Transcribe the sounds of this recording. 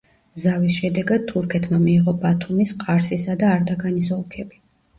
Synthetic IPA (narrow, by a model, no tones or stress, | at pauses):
zavisʃɛd̪ɛɡad̪̥̚t̪ʰuɾkʰɛt̪ʰmamiːʁɔbat̪ʰumisqʼaɾsisad̪aːɾd̪aɡanis̬ɔlˠkʰɛbi